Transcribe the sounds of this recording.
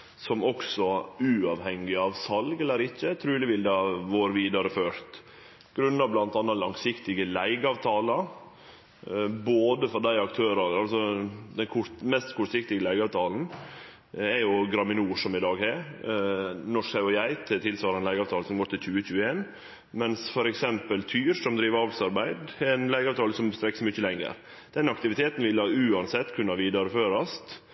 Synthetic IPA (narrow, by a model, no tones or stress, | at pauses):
sɔmɔksɔʉːɑʋhɛŋːɪɑʋsɑlɡɛlːəɾɪçət̪ʰɾʉːlɪʋɪld̪ɑɑʋoːɾəʋiːd̪ɑɾəføːɾt̪ | ɡ̥ɾʉnːɑʋblɑnt̪ɑnːɑlɑŋsɪkt̪ɪɡəlæɪɡəɑːʋt̪ʰɑːlə | boːd̪əfɔɾd̪æɪɑk̚t̪ʰøːɾəɑlsɔd̪ɛnkʰʊt̪mɛst̪kʰʊʈsɪk̚t̪ɪɡəlæɪɡɑːʋt̪ʰɑːln̩ | ɛɾjʊɡɾɑmɪnuːʂɔmɪd̪ɑːɡhæɾ | nɔʂkhɑɔjæɪt̪ʰɪt̪ʰɪlsʋɑːɾɑɛnæɪɡɑːʋt̪ʰɑːlsɔmɡoːʈ̪ɪlçʉːəçʉːəeːn | mɛnsfɔɾɛksɛmpəlt̪ʰyːɾsɔmd̪ɾiːʋəɑːʋsɑɾbæɪd̪ɛnlæɪɡəɑːʋt̪ʰɑːləsɔmst̪ɾɛkːsmʏçəlɛŋːə̰ɾ | d̪̥ɛnɑkt̪ɪʋɪt̪ʰeːt̪n̩ʋɪlːɑʉːɑnsɛt̪ːkʰʉnːɑʋiːd̪ɑɾəføːɾɑst̪